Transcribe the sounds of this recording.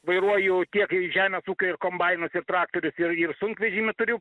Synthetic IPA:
ʋɐɪɾuɔjʊt̪ʲiɛkɪʒʲæːmʲesuːkʲoɪɾkoːmbɐɪnʊsɪɾt̪ɾɑːk̚t̪oːɾʲʊsɪɾɪrsʊŋʲkʋʲɛʒʲiːmʲɪt̪ʊɾʲɪ

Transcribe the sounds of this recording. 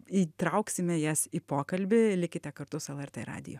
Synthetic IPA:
iːt̪ɾɐʊksʲɪmʲɛjɛsiːpoːkɐlʲbʲɪlʲɪkʲɪt̪ʲɛkɐɾt̪ʊsɛlˠɛrt̪ʲḛːɾɑ̰ːd̪ʲɪ̰joː

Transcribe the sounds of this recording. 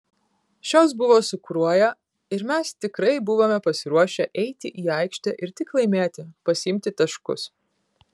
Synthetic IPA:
ʃʲoːs̬bʊʋoːsʊkɾuɔjɛ | ɪɾmʲɛst̪ʲɪkɾɐɪbʊʋoːmʲɛpɐsʲɪɾuɔʃʲɛʔɛɪt̪ʲɪʔiːɐɪkʃʲt̪ʲɛʔɪɾt̪ʲɪklˠɐɪmʲeːt̪ʲɪpɐsʲɪmʲt̪ʲɪt̪ɐʃkʊ̰s

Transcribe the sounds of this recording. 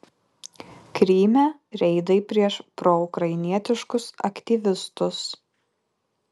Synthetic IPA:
kɾʲiːmʲɛɾʲɛɪd̪ɐɪpʲɾʲiɛʃpɾɔʊkɾɐɪnʲiɛt̪ʲɪʃkʊsɐ̰kʲt̪ʲiːʋʲɪst̪ʊs

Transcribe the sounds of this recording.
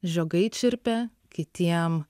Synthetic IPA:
ʒʲoːɡɐɪt͡ʃʲɪɾʲpʲɛ | kʲɪt̪ʲiɛm

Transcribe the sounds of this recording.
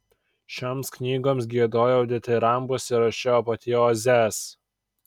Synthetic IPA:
ʃʲoːmsknʲiːɡoːms̬ɡʲiɛd̪oːjoɐʊd̪ʲɪt̪ʲɪɾɐˑmbʊsʲɪɾɐʃʲɛoːpɐt̪ʲioːzʲɛːs

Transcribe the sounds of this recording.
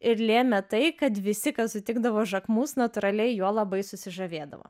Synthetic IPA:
ɪɾlʲeɛmʲɛt̪ɐɪkɐt̪ʋʲɪsʲɪkɐt̪sʊt̪ʲɪɡ̚d̪ɐʋoːʒɐkmuːsnɐt̪ʊɾɐlʲɛɪjuɔlˠɐbɐɪsʊsʲɪʒɐʋʲeːd̪ɐ̰ʋo̰ː

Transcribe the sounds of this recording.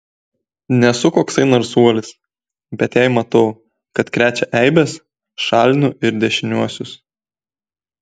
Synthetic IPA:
nʲɛsʊkoːksɐɪnɔɾsuɔlʲɪs | bʲɛt̪jæˑɪmɐt̪ɐʊ | kɐt̪kɾʲæːt͡ʃʲɛʔɛɪbʲɛs | ʃɑːlʲnʲʊɪɾd̪ʲɛʃʲɪnʲuɔsʲʊs

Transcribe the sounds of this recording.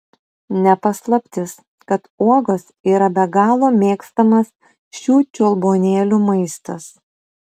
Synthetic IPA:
nʲɛpɐslˠɐpʲt̪ʲɪs | kɐt̪uɔɡosiːɾɐbʲɛɡɑːlˠoːmʲeːkst̪ɐmɐs | ʃʲuːt͡ʃʲulˠboːnʲeːlʲuːmɐɪst̪ɐs

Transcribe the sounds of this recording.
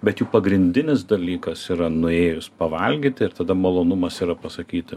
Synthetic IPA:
bʲɛt̪juːpɐɡɾʲɪnʲd̪ʲɪnʲɪsd̪ɐlʲiːkɐsiːɾɐnʊeːjʊspɐʋɐlʲɡʲiːt̪ʲɪɪɾt̪ɐd̪ɐmɐlˠoːnʊmɐsiːɾɐpɐsɐkʲiːt̪ʲɪ

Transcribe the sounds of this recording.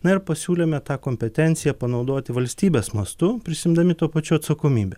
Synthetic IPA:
nɐɪɾpɐsʲuːlʲeːmʲɛt̪ɑːkoːmʲpʲɛt̪ʲɛnʲt̪sʲɪjɛpɐnɒʊd̪oːt̪ʲɪʋɐlʲsʲt̪ʲiːbʲesmɐst̪ʊpʲɾʲɪsʲɪmd̪ɐmʲɪt̪uːpɐt͡ʃʲuːɐt̪sɐkoːmʲiːbʲɛ

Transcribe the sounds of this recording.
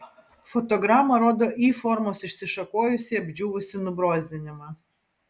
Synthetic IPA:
fɔt̪ɔɡɾaːmɐɾoːd̪oːʔiːfɔɾmoːsɪʃʲsʲɪʃɐkoːjʊsʲɪɐbʲd͡ʒʲuʋʊsʲɪnʊbɾoːzʲd̪ʲɪnʲɪmɐ

